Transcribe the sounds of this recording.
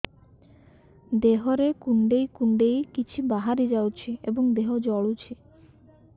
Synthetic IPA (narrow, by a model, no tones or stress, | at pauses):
d̪eɦoɾekuɳɖejkuɳɖejkit͡ɕʰibaɦaɾid͡ʑawt͡ɕʰeʔeboŋd̪eɦod͡ʑɔɭut͡ɕʰe